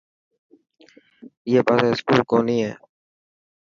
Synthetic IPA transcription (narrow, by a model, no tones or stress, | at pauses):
ɪjeːpaːseːskuːlkoːniːɦẽː